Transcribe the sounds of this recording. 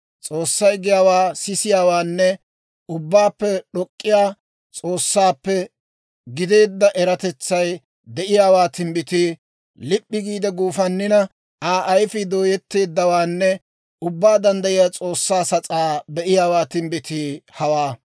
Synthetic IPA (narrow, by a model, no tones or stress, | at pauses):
t͡sʼo̞ːsːɐjɡɪjaːwaːsɪsɪjaːwaːnːɛ | ʊbːaːpːɛɗɔkʼːɪjaː | t͡sʼo̞ːsːaːpːɛ | ɡɪd̪e̞ːd̪ːɐʔɛɾɐt̪ɛt͡sːɐj | d̪ɛʔɪjaːwaːt̪ɪmbɪt̪ɪ | lɪpʼːɪɡiːd̪ɛɡuːfɐnːɪnɐ | aːʔɐjfɪd̪o̞ːjɛt̪ːe̞ːd̪ːɐwaːnːɛ | ʊbːaːd̪ɐnd̪ɐjɪjaːt͡sʼo̞ːsːaːsɐt͡sʼaːbɛʔɪjaːwaːt̪ɪmbɪt̪ɪhɐwaː